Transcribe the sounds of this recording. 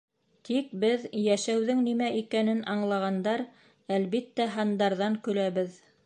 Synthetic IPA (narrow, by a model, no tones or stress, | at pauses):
t̪ik̚bɘðjæʃæwðɘŋnimæʔikænɘnʔɑɴlˠɑʁɑnd̪ɑɾ | ælβit̪ːæɦɑnd̪ɑɾðɑŋkɵ̆læβɘð